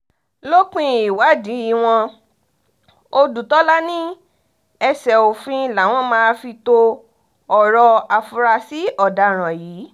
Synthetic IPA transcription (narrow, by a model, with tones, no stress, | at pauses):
lo˦k͡pĩ˦i˨wa˨˦dĩ˨˦i˦˨w̃ɔ̃˧ | o˧du˨tɔ˦la˦nĩ˦ | ɛ˧sɛ˨o˨fĩ˦la˨˦w̃ɔ̃˦mãː˦˧fi˧to˧ | ɔ˨ɾɔ˧a˨fu˧ɾa˧si˨˦ɔ˦˨da˧˨ɾ̃ã˨jiː˨˦